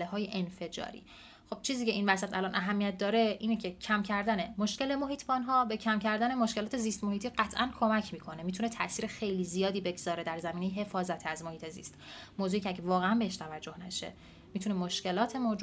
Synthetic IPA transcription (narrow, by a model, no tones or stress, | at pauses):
leɦɒːjeʔenfe̞d͡ʒɒ̰ːɾḭː | χo̞b̥t͡ʃʰiːziːcʰe̞iːnvæs̬æt̪ʰælɒnʔæɦæmːijæt̪̚d̪ɒːɾe̞ʔiːnecʰe̞cʰæmcʰæɾd̪æne̞moʃce̞le̞moɦiːt̪ʰbɒːnɦɒːbecʰæmcʰæɾd̪ænemoʃkelɒːt̪ʰe̞ziːst̪mo̞hiːt̪iːɢæt̪ʰʔænkʰo̞mæcʰmiːkʰo̞nemiːt̪ʰune̞t̪ʰæ̰ʔsiːɾexe̞jliːzijɒːd̪iːbe̞ɡz̥ɒːɾe̞d̪æɾzæmiːne̞jeɦe̞fɒːzæt̪ʰæzmoiːt̪ʰe̞zḭst̪moːzuːicʰeæɟevɒːɣeæmbeeʃt̪ʰævæd͡ʒːo̞hnæʃe̞̰ | miːt̪ʰunemoʃce̞lɒːt̪ʰe̞mod͡ʒu